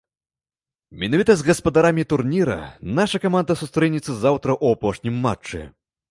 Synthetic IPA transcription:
mʲinavʲit̪ɐzɣɐspɐd̪aɾamʲit̪urnʲiɾɐ̰naʂɐkamand̪ɐsust̪ɾɛnʲit̪sɐzawt̪ɾɐʔuapɔʂnʲimːa̰t͡ʂːɛ̰

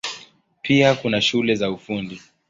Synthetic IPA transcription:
pʰiakunaʃulɛzaufundi

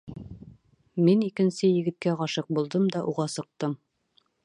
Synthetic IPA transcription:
minikɘ̆nsɘjɘ̆ɡɘ̆t̪̚kæʁɑʃɤq̚bulˠd̪ɤmd̪ɒʔuʁɑsɤ̆q̚t̪ɤm

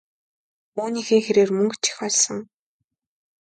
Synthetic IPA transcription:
uːniːxeːxeɾeːrmɵŋkt͡ɕʰi̥xɔɮsɞ̆ŋ

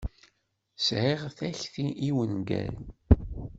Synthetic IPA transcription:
sʕiʁθæçθiʔiwənɡæ̰l

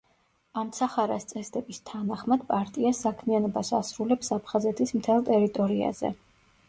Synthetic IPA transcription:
amt̪sʰaχaɾast̪sʼɛsd̪ɛbist̪ʰanaχmad̪pʼaɾt̪ʼiasakʰmianɔbasasɾulɛpsapʰχazɛt̪ʰismt̪ʰɛlˠt̪ʼɛɾit̪ʼɔɾia̰zɛ̰

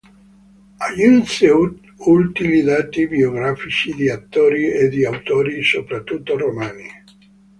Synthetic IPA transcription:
ajuse | ult̪imid̪at̪ibioɡɾafit͡ʃid̪iat̪ːoːɾied̪iawt̪oːɾisopɾat̪ːut̪ːoromaːni

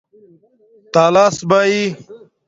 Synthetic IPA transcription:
t̪aːlaːsbaːi

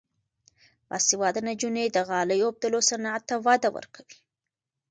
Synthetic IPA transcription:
pɑ̰siwɑd̪anad͡ʒuned̪əɣɑləjob̚d̪alosanaat̪ːawɑd̪awə̰ɾkʰawi̥

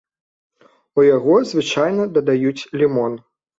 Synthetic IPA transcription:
ujaɣɔzvɨt͡ʂajnɐd̪ɐd̪ajut͡sʲlʲimɔn

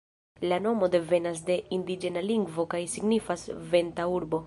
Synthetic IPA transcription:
lano̞mo̞de̞ve̞nas̬de̞ind̪id͡ʒe̞naliŋɡvo̞kajsiɡnifasve̞ntauɾbo̞

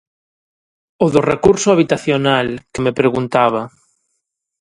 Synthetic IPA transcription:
oðʊrekuɾsʊaβ̞it̪aθjonalkemepɾeɣunt̪aβ̞a

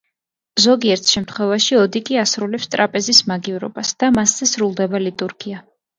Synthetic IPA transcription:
zɔɡiɛɾt̪ʰʃɛmt̪ʰχwɛvaʃiɔd̪ikʼiasɾulɛpst̪ʼɾʔapʼɛzismaɡivɾɔ̰basd̪̥amasːɛsɾulˠd̪ɛbalit̪ʼuɾɡia

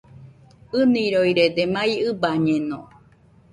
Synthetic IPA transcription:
ɨnĩɾoiɾed̪emãiɨbaɲẽnõ̰

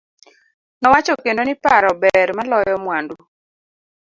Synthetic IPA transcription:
nɔwat͡ʃɔkendonɪpaɾɔbɛɾmalɔjjɔmwandu

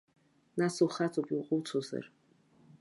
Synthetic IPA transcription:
nasuwχat͡sʰʼopʼiwqʷʼʊwt͡sʰoza̰r

